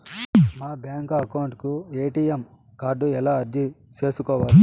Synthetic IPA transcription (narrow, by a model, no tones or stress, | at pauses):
maːbjaːŋkɐkɐwuɳʈkueːʈiːjem | kaːɾɖuɛlaːɐɾd͡ʒit͡ʃeːsukɔːʋaːli